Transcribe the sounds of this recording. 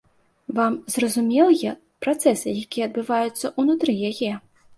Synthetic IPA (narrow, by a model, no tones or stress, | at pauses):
vamzrɐzumʲɛlˠɨjɛ | pɾat̪sɛsɨjakʲijɛɐd̪̚bɨvajut̪sːɐʔunut̪ɾɨjajɛ